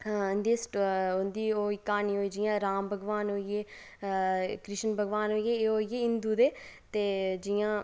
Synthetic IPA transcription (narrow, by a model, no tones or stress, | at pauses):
nd̪iːsʈʊnd̪iːoːiːkaːniːɦoːiːd͡ʒɪjãːɾaːmbʱəɡʋaːnɦoːieː | kɾɪʃənbʱəɡʋaːnɦoːieːɦoːieːɪnd̪uːd̪eːt̪eːd͡ʒɪjãː